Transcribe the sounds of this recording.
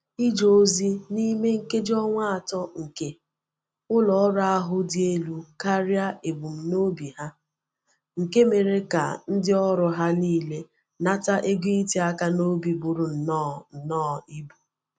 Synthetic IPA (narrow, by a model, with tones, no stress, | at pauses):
i˦d͡ʒo˨˦zi˦ni˦me˦ŋ̩˨ke˦d͡ʒɔ˦ŋʷa˦a˨tɔ˦ŋ̩˨ke˦ | ʊ˦lɔ˨˦ɾa˦a˦ɦʊ˦dɪ˦e˦lu˦ka˦ɾja˦e˨bʊ˨m̩˨no˦bi˨ɦa˦ | ŋ̩˨ke˦me˨ɾe˦ka̰˨n̩˦dɪ˦ɔ˦ɾʊ˨ɦa˦niː˦le˦ | na˦ta˦ʔe˦ɡi˦i˦ti˨a˦ka˦no˦bi˨bʊ˨ɾʊ˨n̩˨nɔ˦˨n̩˨nɔː˦˨i˦bu˨